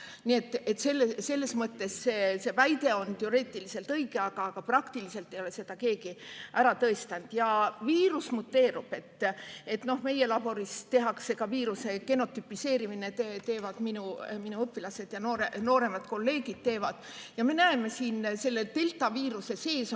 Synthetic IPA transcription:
nie̞t̪ːˑe̞t̪ːˑse̞lːese̞lːe̞smɤt̪ːe̞sːese̞væjd̪e̞o̞nt̪e̞oɾe̞ːt̪ːˑilise̞lt̪ɤijɡe̞ɑɡ̥ɑːɡ̥ɑprɑkt̪ilise̞lt̪ːe̞jole̞se̞d̪̥ɑke̞ːɡiʔæɾɑt̪ɤest̪ɑnd̪̥jɑviːɾusmut̪ːe̞ːɾub̥e̞t̪ːe̞t̪no̞hme̞je̞lɑb̥o̞ɾist̪e̞ɦɑkse̞kɑviːɾuse̞ke̞no̞t̪ːˑypːˑise̞ːɾiminet̪et̪e̞ːvɑd̪̥minuminuɤpːˑilɑse̞d̪̥jɑnoːɾeno̞ːɾe̞mɑd̪̥ko̞lːe̞ːɡid̪̥̚t̪e̞ːvɑd̪̥ | jɑme̞næeme̞siːnse̞lːe̞t̪e̞lt̪ːˑɑviːɾuse̞se̞ːs

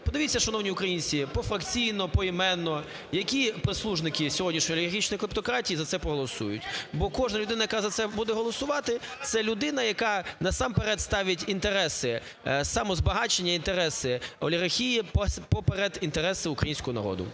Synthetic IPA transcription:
pɔd̪ɪʋʲitʲt͡sʲːɐʃɐnɔwnʲiʊkɾɐjinʲt͡sʲipɔfɾɐkt͡sʲijnɔpɔimɛnːɔ | jɐkʲipɾeslˠuʒnɪkɪsʲɔɦɔdʲnʲiʃnʲɔjɐlʲiɐrxʲit͡ʃnɔjklˠɪp̚t̪ɔkɾɑtʲijizɐt̪sɛpɾɔɦɔlˠɔsṵjʊ̰tʲbɔkɔʒnɐlʲʊd̪ɪnɐjɐkɑzɐt̪sɛbud̪ɛɦɔlˠɔsʊʋɑt̪ɪt̪sɛlʲʊd̪ɪnɐjɐkɑnɐsɑmpeɾɛt̪st̪ɑʋʲɐtʲint̪eɾɛsɪ | sɑmɔzbɐɦɑt͡ʃenʲːɐint̪eɾɛsɪɔlʲiɣɐrxʲijippɔpeɾɛd̪int̪eɾɛsɪʊkɾɐ̰jinʲsʲkɔɦɔnɐ̰ɾɔ̰d̪ʊ̰

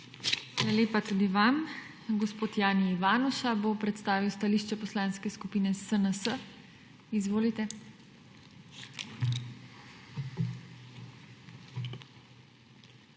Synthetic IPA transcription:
xaːlaleːpat̪uːd̪iʋam | ɡɔspoːt̪jaːniːʋaːnuʃabopɾɛt̪st̪aːʋiwst̪aliːʃt͡ʃɛpɔslaːnskɛskupiːnɛsənəsə | izʋoːlit̪ɛ

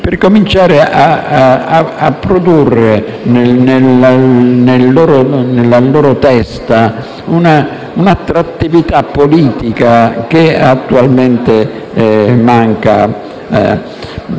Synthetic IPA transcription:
pɪrkomint͡ʃaːɾɪʔaaapːɾod̪urːenenelanelːɔːɾonelːalɔːɾot̪ɛst̪a | una | unat̪ːɾat̪ːivit̪apːoliːt̪ikak̟eat̪ːualment̪e | maŋka̰

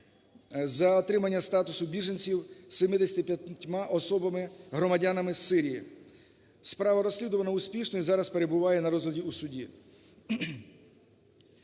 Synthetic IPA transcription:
zɐɔt̪ɾɪmɐnʲːɐst̪ɑt̪ʊsʊbʲiʒenʲt͡sʲiwsemɪd̪esʲt̪ʲipʲjɐtʲtʲmɑʔɔsɔbɐmɪɦɾɔmɐdʲanɐmɪsːɪɾʲijḭ | spɾɑʋɐɾɔsʲlʲid̪ʊʋɐnɐusʲpʲiʃnɔizɑɾɐspeɾe̞bʊʋɑjɛnɐɾɔzlʲɐdʲiusʊdʲi

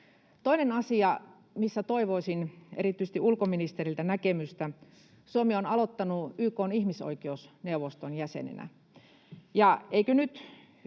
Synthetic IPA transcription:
t̪oinenɑsiɑ | misːæt̪oiʋoisinḛrit̪ːˑyist̪iʔulkominist̪erilt̪ænækemyst̪æ | suomionɑlot̪ːɑnuyːkoːnihmiso̰ikeusneuʋost̪onjæsḛnḛnæ̰ | jɑeikønyt̪

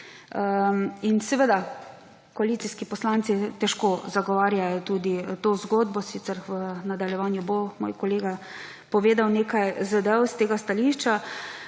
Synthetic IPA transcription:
əinsɛʋed̪a | kɔaliːt̪siskipɔslaːnt̪sit̪ɛʃkozaɡɔʋaːɾjajɔt̪ud̪it̪ozɡoːd̪bɔsit̪ɛɾʋənad̪aljɛʋaːnjubomo̰ːjkɔleːɡa | pɔʋeːd̪awneːkajzəd̪əəst̪eːɡast̪aliʃt͡ʃa

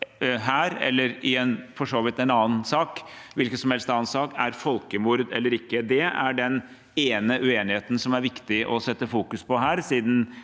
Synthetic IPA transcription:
ɦæːɾɛ̰lːəɾɪɛnfɔʂoːʋɪt̪ɛnɑːənsɑːkʋɪlkət̪sɔmhɛlst̪ɑːənsɑːkæɾfɔlkəmuɾd̪ɛ̰lːəɾɪkːəd̪ɛæɖɛn | eːnəʔʉeːnɪheːt̪n̩sɔmæɾʋɪkt̪ɪʔɔsɛt̪ːəfuːkʉspʰɔɦæːɾsiːd̪n̩

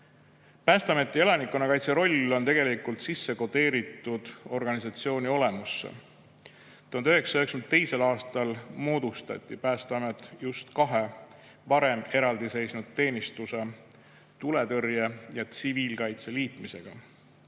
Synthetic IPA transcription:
pæːst̪eɑme̞t̪ːˑie̞lɑnikːˑonɑkɑjt̪se̞ɾo̞lʲːo̞nt̪e̞ɡe̞likult̪sisːe̞ko̞d̪̥e̞ːɾit̪ːˑud̪̥o̞rɡ̥ɑnisɑt̪sio̞ːnʲio̞le̞musːḛ | t̪uhɑnøɦeksɑ̥øeksmd̪t̪ːe̞jse̞lɑːst̪ɑlmo̞ːd̪̥ust̪ɑ̰t̪ʲːˑipæːst̪eɑmet̪ːˑjust̪kɑɦe̞ | vɑɾe̞me̞ɾɑld̪ise̞jsnud̪̥̚t̪ːe̞ːnist̪use̞ | t̪ule̞t̪ørjejɑt̪siviːlkɑjt̪se̞liːt̪mise̞ɡ̥ɑ

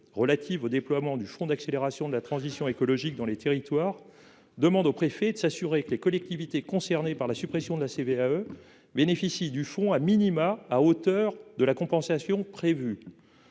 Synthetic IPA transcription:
ʁəlat̪ʰivod̪eplwamɑ̃d̪yfɔ̃d̪akseleʁasjɔ̃d̪əlat̪χɑ̃zisjɔ̃ekɔlɔʒikd̪ɑ̃let̪eʁit̪waːʁ | d̪əmɑ̃d̪opχefɛd̪əsasyʁekəlekɔlɛk̚t̪ivit̪ekɔ̃sɛʁnepaʁlasypχesjɔ̃d̪əlaseveaø | benefisid̪yfɔ̃aminimaːot̪œʁd̪əlakɔ̃pɑ̃sasjɔ̃pχevy

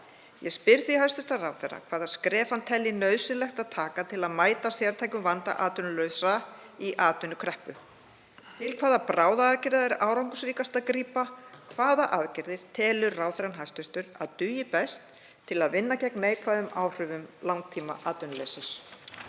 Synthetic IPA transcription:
jɛspɪɾθihajst̪ʏst̪arawθɛra̰kʰv̥aːðaðskɾɛːfant̪ʰɛlːɪnœɥðsɪnlɛxt̪aðt̪ʰaːkat̪ʰɪlaðmaːjt̪asjaɾt̪ʰajkʏmvant̪a̰ʔaːt̪ʏnʏlœːɥsaiʔaːt̪ʏnʏkʰɾɛhpʏ | t̪ʰɪlkʰv̥aːðapɾaːwðaaðcɪɾɛɾaːwɾawŋkʏsɾiːkast̪aðkɾiːpakʰvaːðaʔaðcɪɾðɪɾ̥t̪ʰɛːlʏɾraːwθɛɾanɦajst̪ʏst̪ʏɾa̰ðt̪ʏjɪpɛst̪ʰː | ɪlaðvɪnːacɛknejkʰvaːðʏmaːwr̥ʏːvʏmlawŋk̚t̪ʰiːma̰ʔaːt̪ʏnʏlesɪs

